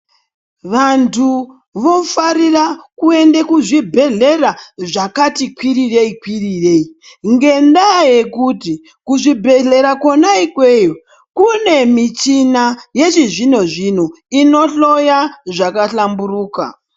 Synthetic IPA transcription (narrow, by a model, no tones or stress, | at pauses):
ʋantʰu | ʋo̞faɾirakue̞ndekuʐibʱe̞ɮe̞raʐakatikwirireikwirirei | ŋɡe̞ndaje̞kuti | kuʐibʱe̞ɮe̞ɾakwo̞naikwe̞ːjo | kune̞mit͡ʃinaje̞ʐiʐinoʐin̤u | ino̞ɬo̞jaʐakaɬamburuːka̰